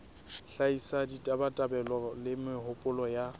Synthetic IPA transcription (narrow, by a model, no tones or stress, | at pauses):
ɬaisaditʼabatʼabɛlɔlɪmɪhʊpʼʊlɔja